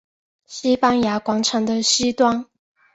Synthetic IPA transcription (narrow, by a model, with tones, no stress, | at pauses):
ɕi˥pa˥nja˧˥kwɑ˧˥ŋʈ͡ʂʰɤ˨˧˥ŋd̪ə˧ɕi˥t̪wɑ˥n